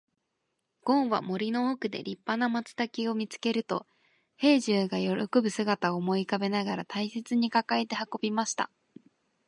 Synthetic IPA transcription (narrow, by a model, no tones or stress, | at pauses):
ɡ̥õ̞ɰ̃βa̰mo̞ɾʲino̞ːkɯ̟d̪e̞̰ɾʲipːanamat͡sɨ̥t̪akʲio̞mʲit͡sɨ̥ke̞ɾɯ̟t̪o̞ | he̞ːʑɨːɡajo̞ɾo̞̰ko̞bɯ̟sɨɡat̪aomo̞ikabe̞naɡaɾat̪aise̞t͡sɨɲ̟ikakae̞t̪e̞hako̞bʲimaɕi̥t̪a̰